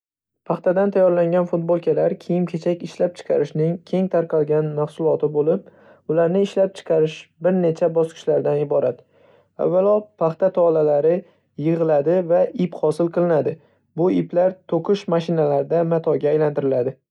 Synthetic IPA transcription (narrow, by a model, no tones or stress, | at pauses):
pʰɑχt̪ad̪ant̪ʰajːɒɾlaŋɡʲanfʊt̪̚bolˠkʲʰalaɾkʲʰejɪmkʲʰe̞t͡ʃʰakʲɪʃlap̚t͡ʃʰɨ̥qʰɑɾɪʃnɪŋkʲʰe̞ŋt̪ʰaɾqʰɑlˠɡʲanmahsʊlˠɒt̪ʰɪbolɪp̚ | ʊlaɾnɪːʃlap̚t͡ʃʰɨ̥qʰɑɾɪʃbɪɾne̞t͡ʃʰabɒskʲʰɪ̥ʃlaɾd̪anɪbɒɾat̪ | a̰vːalˠɒpʰaχt̪at̪ʰɒlalaɾɪ | jɨʁɨlˠad̪ɪvaɪpχɒsɪlˠqʰɨlˠɪnad̪ɪ | bʊɪplaɾt̪ʰoqʰɪʃmaʃɪnalaɾɪd̪amat̪ʰɒɡʲaːjlant̪ɪɾɪlad̪ɪ